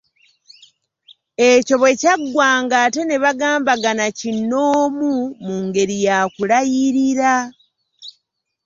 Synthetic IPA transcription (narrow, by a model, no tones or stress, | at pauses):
e̞co̞βwe̞caɡwaːŋɡaːte̞ne̞βaɡaːmbaɡanacinːoːmumuŋɡe̞ɾijaːkulajiɾiɾa